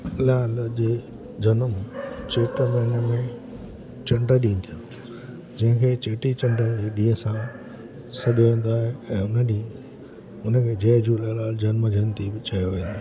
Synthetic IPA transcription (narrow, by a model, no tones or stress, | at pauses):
laːld͡ʑeː | d͡ʑɐnəmt͡ɕeːʈəmenəmẽ | t͡ɕɐ̃ɳɖəɗĩːnt̪ʰijo | d͡ʑɐ̃ɦɪ̃kʰeːt͡ɕeːʈit͡ɕɐ̃ɳɖəld͡ʑeːɗĩːə̃sã | sɐɗoʋẽːn̆d̪oaːɦeɛ̃ːʊnəɗĩː | ʊnəkʰeːd͡ʑeːd͡ʑʱulalaːld͡ʑɐnmd͡ʑʱɐ̃nt̪ibɪt͡ɕɐjoʋẽːnd̪o